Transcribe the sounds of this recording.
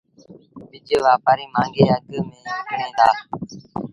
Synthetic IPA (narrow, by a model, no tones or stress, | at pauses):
bɪd͡ʒəʋaːpaɾiːmãːŋɡeːəɡəmẽːnẽːd̪aː